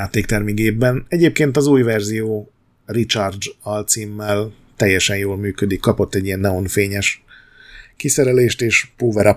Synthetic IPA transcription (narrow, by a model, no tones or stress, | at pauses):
jaːt̪eːk̚t̪ɛrmiɡeːbːɛnɛɟeːp̚keːnt̪ɒzuːjvɛrzijoː | rit͡ʃɒrd͡ʒɒlt̪simːɛl | t̪ɛjːɛʃɛnjoːlmyːkød̪ikːɒpo̞t̪ːɛɟːijɛnːɛo̞nfeːɲɛʃ | kisɛɾɛleːʃt̪eːʃpoːvɛɾɒ